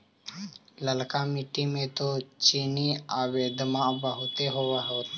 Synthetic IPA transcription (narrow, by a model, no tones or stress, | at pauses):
ləlkamiʈːimẽt̪ot͡ʃiːniaːʋeːd̪mãbəɦʊt̪eɦoːʋaɦo